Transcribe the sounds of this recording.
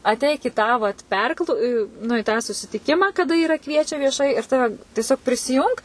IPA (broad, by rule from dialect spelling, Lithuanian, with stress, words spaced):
ɐtʲˈɛɪk ɪ tɑː ʋɐt pʲɛrklˠ nʊ iː tɑː sʊsʲɪtʲɪˈkʲɪmɑː kɐˈdɐ ˈiːrɐ ˈkʋʲiɛt͡ʃʲɛ ʋʲiɛˈʃɐɪ ɪr ˈtɑːʋʲɛ tʲiɛˈsʲoːk pʲrʲɪsʲɪˈjʊŋk